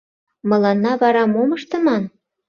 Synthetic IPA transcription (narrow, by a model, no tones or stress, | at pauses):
mɤ̆lɑnːɑβɑɾɑmomə̆ʃt̪ɤ̆mɑn